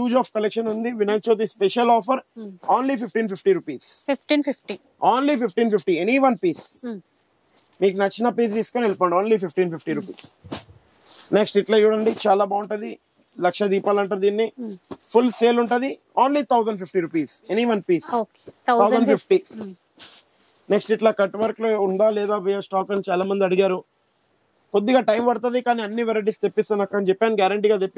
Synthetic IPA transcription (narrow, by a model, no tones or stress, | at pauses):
t͡ʃuːd͡ʒaːfkɐlekʂɐnund̪iʋinɐjt͡ʃoːt̪̬ispeʃɐlɔːfɐɾoːnlipipʰʈiːnpipʈiːɾupiːsfifʈifʈi | oːnlipipʰʈiːnpipʰʈieniʋɐnpiːs | miːk̬unɐt͡ʃːinɐpiːs̬d̪iːskoːnelpɐːɳɖioːnlipipʈiːnpipʈiːɾupiːs | neksʈiʈlɐiʋuɽɐɳɖit͡ʃaːlaːbaːuɳʈɐd̪i | lɐkʂɐd̪iːpaːlɐɳʈɐɾd̪iːnːipʰulseːluɳʈɐd̪i | oːnliːt̪ʰɐwzɐɳɖp̬ʰipʰʈiɾuːpiːseniʋɐnpiːso | t̪ʰɐwzɐɳɖpipʈi | neksʈiʈlaːkɐʈːʋɐɾklouɳɖ̪aːlɛːd̪aːbijɐsʈaːkɐnit͡ʃaːlaːmɐnd̪iɐɽiɡaːɾu | kod̪ːiɡaːʈɐjmʋɐɽɐt̪̬ɐd̪ikaːniɐnːiʋeɾɐʈ̬ist̪epːist̪anɐkːɐnt͡ʃɛpːaːniɡjaːɾɐɳʈiːɡaːt̪epːi